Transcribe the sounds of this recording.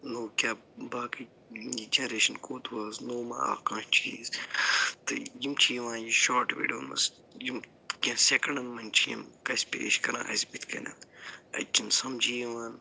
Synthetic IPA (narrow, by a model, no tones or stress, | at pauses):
noːkʲaːbaːkɐ | jid͡ʒenɾeːʃɐnkoːt̪ʰwaːznoːmã̰a̰ːkãːʃt͡ʃʰiːz | t̪ɨ̰jimt͡ʃʰiʋãːnjiʃaːʈʋḭːɖɐunmɐ̰s | jim | kʲãːsekɐɳɖɐnmɐnʲt͡ʃʰijɐ̰mkɐsʲpḛḛʃkɐɾã̰ːʔɐ̰sbit̪kɐnʲɐ̰nɐ̰t͡ʃinsɐmd͡ʒijeʋaːn